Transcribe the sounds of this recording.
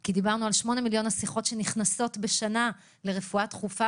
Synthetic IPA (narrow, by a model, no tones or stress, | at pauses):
kidibaʁnualʃmo̞ne̞miljo̞nasiχo̞tʃe̞niχnaso̞tbe̞ʃana | le̞ʁe̞fuatχufa